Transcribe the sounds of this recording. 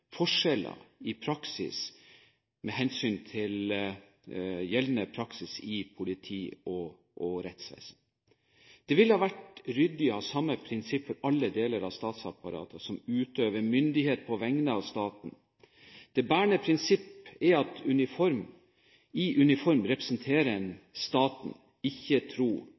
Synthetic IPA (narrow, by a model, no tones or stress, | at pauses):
fɔʂɛlə̰ɪpʰɾɑksɪ̰s | mɛɦɛnsyːnt̪ʰɪl | jɛlʋnəpʰɾɑksɪsɪpʰʊlɪt̪ʰiːɔ | ʔɔɾɛt̪sʋæ̰ɪsn | d̪̥ɛʋɪlhɑːʋæʈɾʏd̪ɪɔhɑːsɑmːəpʰɾɪnsɪpːfɔɾɑlːəd̪eːləɾɑʋst̪ɑːt̪sɑpɑɾɑ̰ːt̪ʰəsɔmʉːt̪øːʋəɾmʏnd̪ɪheːt̪̚pʰɔʋɛŋnəɑʋst̪ɑːt̪n̩ | d̪̥ɛbæːɳəpʰɾɪnsɪpːɛɾɑt̪ʉnɪfɔɾm | ɪʔʉnɪfɔɾmɾɛpɾəsnt̪ʰeːɾəɛnst̪ɑːt̪n̩ | ɪçːət̪ʰɾuː